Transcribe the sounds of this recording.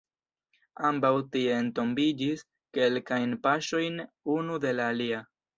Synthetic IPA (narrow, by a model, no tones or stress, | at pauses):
ambawtie̞ːnto̞mbid͡ʒis | ke̞lkajnpaʃo̞jn | unude̞laːlia